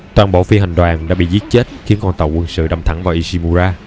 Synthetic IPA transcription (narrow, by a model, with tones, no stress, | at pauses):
t̪waː˧nɓo̰˧˥fi˧ha˨˩ŋ̟ɗwaː˨˩nɗaː˧˥ɓḭ˧˨zi˦˥t̚t͡ɕe˦˥t̚xi˨˦ənkɔ˧nt̪ə˨˩wkwə˧nsɨ̰˧˨ɗə˨˩mt̪ʰə˧˩ŋvaː˨˩ʔi˧si˧mu˧zaː˧